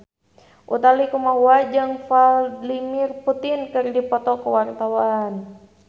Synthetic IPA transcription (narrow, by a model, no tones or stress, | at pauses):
ʔṵt̪alikumaɦuad͡ʒɨŋfallimirput̪ɪnkɨrdipɔt̪ɔkəwart̪awan